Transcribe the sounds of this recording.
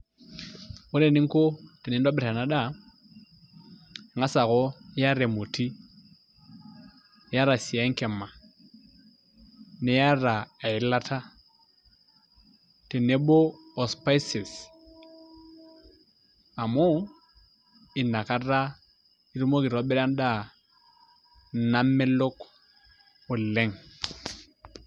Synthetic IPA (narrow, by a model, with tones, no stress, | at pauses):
ʊ˦ɾɛ˦˨ni˦ŋ̩˦ko˦tɛ˨nɛ˨˦n˦da˦bɛ˨ɾa˨na˨˦ɗa˦˨ | ŋa˦sa˨ɣɔ˦ja˦ɾɛ˨mo˨tʰi˦ | ja˦ɾa˨si˨a˦ŋ̩˦kɛ˨ma˨ | nɛ˦ja˦ra˨a˨i˨la˦tʰa˦ | te˨ne˦bo˦ɔ˨spa˦jse˨s | a˨mɔ˦ | i˨na˨ka˦ɾa˦ | i˦ɾu˦mo˦ki˨ɾɔ˨˦bɛ˦ɾa˦nda˦˨ | na˦mːɛ˦lo˦k | o˨lɛ˦ŋ